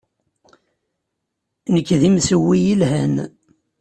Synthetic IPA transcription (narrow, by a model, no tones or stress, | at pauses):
nəkːðimsəwːijilɦæn